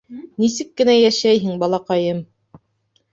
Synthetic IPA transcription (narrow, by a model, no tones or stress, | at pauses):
nisɘkːɘ̆næjæʃæjɦɘŋbɑlˠɑqɑjɤm